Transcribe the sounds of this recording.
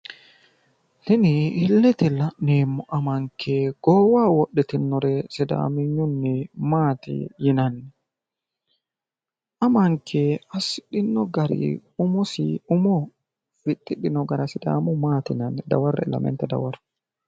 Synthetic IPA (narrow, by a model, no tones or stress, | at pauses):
nɪnɪɪlːɛt̪ɪlɐneːmːɔʔɐmɐŋkʰːɛɡ̥ɔːwaːwɔɗɛt̪ɪnːɔɾɛsɪd̪a̰ːmɪɲːʊnːɛmaːt̪ɪ̰jɪnɐnːɛ | ʔɐmɐŋkʰɛɐsɪɗɪnːɔɡɐɾḭʊmɔsʊmɔ | fɪt̪ʼːɪɗɪnɔɡɐɾɐsɪd̪a̰ːmʊmaːt̪ɪnɐnːɛd̪ɐwɐrːɛ̰lɐ̰mɛ̰nt̪ɛd̪ɐ̰wɐɾ